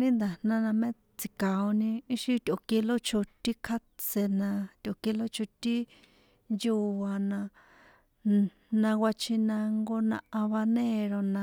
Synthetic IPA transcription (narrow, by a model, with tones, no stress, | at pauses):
nĩ˦nd̪a˨nã˦nã˧mẽ˦ | t͡si˨ka˨o˧nĩ˧i˦ʃi˧t̪ʲo˨ke˧lo˦t͡ʃʰo˧t̪i˦kʰa˦t͡se˧nã˧t̪ʲo˨ke˧lo˦t͡ʃʰo˧t̪i˦ | nju˧a˧nã˧ | nã˧wʷa˧t͡ʃʰi˧nã˧ŋɡo˧nã̰˧ʔã˧βa˧nẽ˦˨ɾo˧nã˧